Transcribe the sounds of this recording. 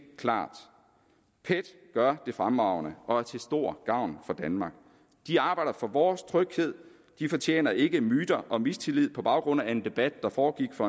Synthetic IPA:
kʰlɑ̰̈ːd̥ | pʰed̥ɡ̥ɶɐd̥e̝fʁamɑ̈ʊ̰nəʔɒ̽æɐt͡sʰe̝lsd̥o̝ɐ̰ɡ̥ɑ̈ʊ̰nfɒ̽d̥ænmɑ̈ɡ̥ | d̥iɑ̈ːb̥ɑ̈ɪ̰d̥ɐfɒ̽ʋɒːst͡sʰʁœɡ̥he̝ð̞̰ˠ | d̥ifɒ̽t͡ɕʰjḛːnɐe̝ɡ̥əmyːd̥ɐʔɒ̽mist͡sʰe̝lið̞̰ˠpʰɒ̽b̥ɑ̈ʊɡ̥ʁɔ̽n̰æe̝nd̥e̝b̥æd̥̚ːɑ̈fɒːɡ̥iɡ̥fɒ̽

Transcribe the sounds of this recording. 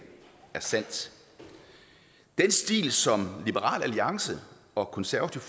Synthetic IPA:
æɐsæn̰d̥ | d̥ensd̥ḭːlsɒ̽mlib̥əʁɑ̰̈ːlæliɑ̈ŋsə | ɒ̽kʰɒ̽nsæɐɐt͡sʰif

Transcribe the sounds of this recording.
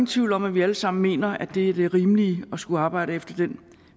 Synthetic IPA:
nt͡sʰʋiʊl̩ɒ̽m̰æʋiæləsɑ̈m̰n̩me̝̰ːnɐæd̥e̝æɐd̥e̝ʁiːmliɒ̽sɡ̥uɑ̈ːb̥ɑ̈ɪ̰ɾəefd̥ɐd̥en̰

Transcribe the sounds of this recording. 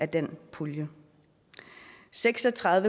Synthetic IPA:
æd̥enpʰuljə | seɡ̥sɒ̽t͡sʰʁɑ̈ðˠʋə

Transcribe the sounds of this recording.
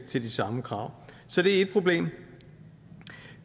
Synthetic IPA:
ɡ̥̚t͡sʰe̝ld̥isɑ̈məkʰʁɑ̈ʊ̰ | sɒ̽d̥e̝æe̝d̥̚pʰʁo̝b̥le̝̰ːm

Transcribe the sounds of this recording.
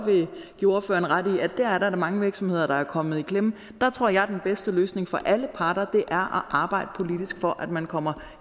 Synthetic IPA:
ʋe̝ɡ̥io̝ɐfø̰ːɐnʁɑd̥iæd̥æɐæɐɾɑɐɾɑ̈mɑ̈ŋəʋiɐɡ̥sɒ̽mhe̝ð̞̰ˠɐd̥ɑ̈æɐkʰɒ̽m̰ð̩ˠikʰlem | d̥ɑ̈t͡sʰʁo̝ɐ̰jɑ̈ɪd̥enb̥esd̥əløːsne̝ŋfɒ̽ʔæləpʰɑ̈ːɾ̥ɐd̥e̝ʔæɐʔɒʔɑ̈ːb̥ɑ̈ɪ̰d̥əpʰo̝lid̥isɡ̥fɒ̽ʔæd̥mænkʰɒ̽m̰ɐ

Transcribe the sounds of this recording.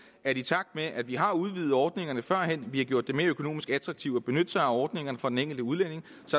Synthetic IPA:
æɐd̥it͡sʰɑ̈ɡ̥̚d̥meʔæd̥ʋiɦɑ̈uð̞ˠʋiːð̩ˠɒːd̥ne̝ŋɐnəfɶɐ̰ɦen̰ʋihɑ̈ɡjo̝ɐ̰d̥ːeme̝ɐøkʰo̝no̝̰ːmisɡ̥æd̥ʁɑ̈ɡ̥̚t͡sʰiʊ̥ɒb̥e̝nød̥sɑɒːd̥ne̝ŋɐnəfɒ̽d̥eneŋ̰ɡl̩d̥əuð̞ˠlen̰e̝ŋ | sɒ̽

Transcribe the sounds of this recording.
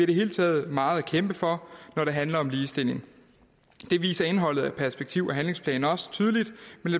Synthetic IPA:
iɐdɾe̝ɦe̝ːlt͡sʰɛ̰ːð̩ˠmɑ̈ːð̞̩ˠækʰemb̥əfɒ̽nɒɾe̝ɦænlɐɒ̽mliːsd̥e̝l̰e̝ŋ | d̥e̝ʋḭːsɐe̝nɦɒ̽l̰ð̩ˠæ̥pʰæɐsb̥eɡ̥̚t͡sʰiʊ̰ɒɦænle̝ŋspʰlɛ̰ːnɒ̽sə̥t͡sʰyːð̞ˠəlid̥mend̥e

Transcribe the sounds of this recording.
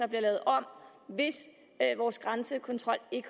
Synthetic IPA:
ɒ̽b̥liɐlɛːʊð̩ˠɒ̽m̰ | ʋe̝s | ʋɒːsɡ̥ʁansəkʰɒ̽nt͡sʰʁɒ̽l̰e̝ɡ̥ə

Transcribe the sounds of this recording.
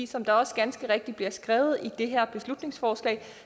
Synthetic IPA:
ḭːsɒ̽md̥ɑ̈ɒ̽sɡ̥ænsɡ̥əʁeɡ̥̚d̥ib̥liɐsɡ̥ʁɛːʊð̩ˠid̥e̝ɦæɐ̰b̥e̝slud̥ne̝ŋsfɒːslɛ̰ː

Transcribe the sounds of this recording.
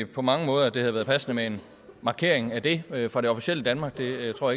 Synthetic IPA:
pʰɒ̽mɑ̈ŋəmɔ̽ːð̞ˠɐd̥e̝hæðˠʋæɐð̩ˠpʰæsnəmee̝n | mɑ̈ːkʰe̝̰ɐ̰eŋæd̥e̝fʁɑ̈ɾ̥e̝ɒ̽fiɕel̰əd̥ænmɑ̈ːɡ̥̚d̥e̝t͡sʰo̝ɐ̰j

